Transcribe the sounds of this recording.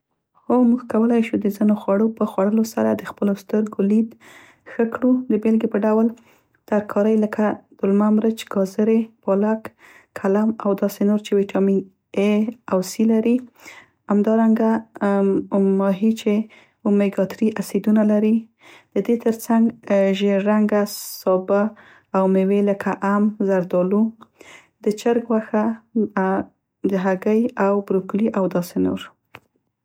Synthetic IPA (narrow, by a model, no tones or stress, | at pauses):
xomuɡkawəlajʃud̪əzinoxwaɽopəxwaɽəlosa̰ɾad̪əxpəlost̪əɾɡolid̪ | xəkɽud̪əbelɡepəɖawəl | t̪aɾkʰɑɾəjləkʰad̪̥ʊlmamɾət͡ʃɡɑzəɾebɑlakːʰ | alamawd̪ɑsenoɾt͡ʃewiʈʰɑmi | eawsilaɾi | amd̪ɑɾaŋɡa | mɑɦit͡ʃe | umeɡɑt̪ɾiʔasid̪unalaɾi | d̪̥əd̪et̪əɾt͡saŋɡʒeɾaŋɡasɑbaː | wmeweləkʰaʔamzaɾd̪ɑlu | d̪ət͡ʃəɾɡwaxa | d̪əɦaɡəjawbɾokliʔawd̪ɑseno̰ɾ